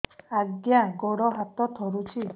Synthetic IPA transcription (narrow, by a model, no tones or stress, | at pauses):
aɡjãɡɔɽɔɦat̪ɔt̪ʰɔɾut͡ʃʰi